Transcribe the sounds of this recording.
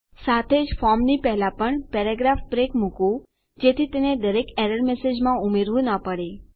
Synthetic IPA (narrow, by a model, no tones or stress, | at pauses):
sat̪ʰed͡ʒfɔɾmnipɛɦlapəɳpɛɾaɡɾafpɾekmukũ | d͡ʒet̪ʰit̪ened̪əɾekeɾəɾmesed͡ʒmãumeɾʋũnəpəɽe